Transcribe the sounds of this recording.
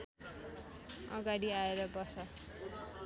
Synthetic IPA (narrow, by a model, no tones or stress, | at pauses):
ʌ̰ɡaɽiaeɾʌbʌsʌ